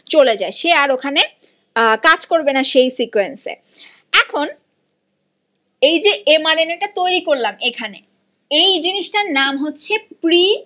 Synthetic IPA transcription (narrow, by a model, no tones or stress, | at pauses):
t͡ɕoled͡ʑaeʃeaɾokʰane | kad͡ʑkoɾbenaʃejsikuensḛ | ɛkʰon | ejd͡ʑeemaɾeneʈat̪ojɾikoɾlamekʰane | ejd͡ʑiniʃʈaɾnamɦotːɕʰepɾi